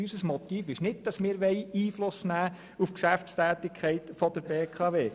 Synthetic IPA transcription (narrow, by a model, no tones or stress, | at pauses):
ysəsmɔt̪iːfɪʃnɪd̚d̥ɑsmɪːɾʋɛjiːflʊsnæː | ufkʃæft͡sst̪æːt̪ɪkʰχɛɪt̪fɔd̪əɾbeːkʰɑːʋeː